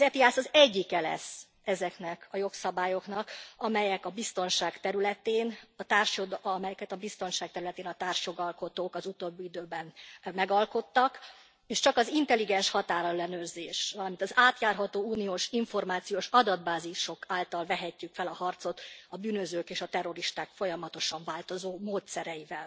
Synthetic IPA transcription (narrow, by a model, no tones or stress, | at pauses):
zɛt̪iaːsɒzɛɟːikɛlɛ̰s | ɛzɛknɛkɒjo̞ksɒbaːjo̞knɒkɒmɛjɛkɒbist̪o̞nʃaːkt̪ɛɾylɛt̪eːnɒt̪aːrʃjod̪mɛjɛkɛt̪ɒbist̪o̞nʃaːk̚t̪ɛɾylɛt̪eːnɒt̪aːrʃjo̞ɡɒlko̞t̪oːkɒzut̪oːbːiid̪øːbɛnmɛɡɒlko̞t̪ːɒk | eːʃt͡ʃɒkɒzint̪ɛliɡɛnʃhɒt̪aːɾɒɛlːɛnøːrzeːʃʋɒlɒmint̪ɒzaːt̪jaːrɦɒt̪oːuːnioːʃiɱfo̞rmaːt̪sijoːʃɒd̪ɒd̪baːziʃo̞kaːlt̪ɒlvɛɦɛcːykfɛlɒhɒrt̪so̞t̪ɒbyːnøzøːkeːʃɒt̪ɛro̞ɾiʃt̪aːkfo̞jɒmɒt̪o̞ʃɒɱvaːlt̪o̞zoːmoːt̪sɛɾɛjivɛl